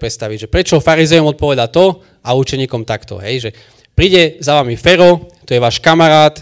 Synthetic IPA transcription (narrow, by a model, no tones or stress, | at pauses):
pɾɛt̪st̪aʋiɟʒɛpɾɛt͡ʃɔɔfaɾizɛjɔmɔt̪̚pɔʋɛd̪at̪ɔ | aut͡ʃɛɲiːkɔmt̪akt̪ɔ̰ɦɛjʒɛ | pɾiːɟɛzaʋamifɛɾɔt̪ɔjɛʋaːʃkamaɾaːt̪